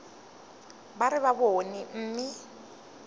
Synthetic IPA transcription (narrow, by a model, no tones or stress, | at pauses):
baɾɪβabonim̩ːmɪ